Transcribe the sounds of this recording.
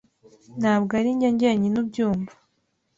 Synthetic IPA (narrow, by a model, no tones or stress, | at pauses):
nhaːbɡaɾiɲɟeɲɟeɲinubɟuːmvḁ